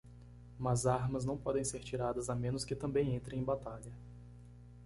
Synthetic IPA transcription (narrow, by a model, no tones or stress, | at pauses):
mɐzaɾmɐznɐ̃w̃pɔd̪ẽj̃seɾt͡ʃiɾad̪ɐzamẽnʊskɪt̪ɐ̃mbẽj̃ẽnt̪ɾẽj̃ẽbat̪aʎɐ